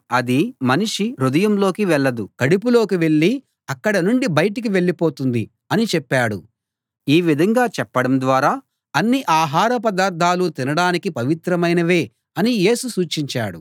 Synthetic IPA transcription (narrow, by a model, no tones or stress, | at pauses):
ɐd̪imɐniʂiɾud̪ɐjɐmlo̞ːkiʋɛɭːɐd̪ukɐɽipulo̞ːkiʋe̞ɭːi | ɐkːɐɽɐnuɳɖibɐjɐʈ̬ik̬iʋe̞ɭːipoːt̪und̪i | ɐnit͡ʃɛpːaːɽṵ | iːʋid̪ʱɐŋɡaːt͡ʃɛpːɐɽɐmd̪ʋaːɾaː | ɐnːiʔaːɦaːɾɐp̬ɐd̪aːɾd̪ʱaːlut̪inɐɽaːnikipɐʋit̪ɾɐmɐjnɐʋe̞ː | ɐnije̞ːsusuːt͡ʃiɲt͡ʃa̰ːɽṵ